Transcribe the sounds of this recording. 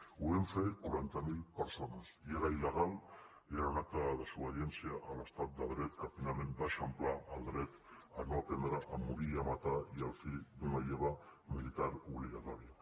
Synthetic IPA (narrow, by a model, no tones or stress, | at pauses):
uemfeoβent̪amilpeɾsonasjeɾajlaɣal | aɾonak̚t̪aðasuaðjent͡siaʔːlast̪at̪̚d̪aðɾet̪kapinamenb̪aʃamplaːld̪ɾet̪ | anopend̪ɾaʔamuɾiamat̪aialfiðunajeβamilit̪aɾuβliɣat̪oɾia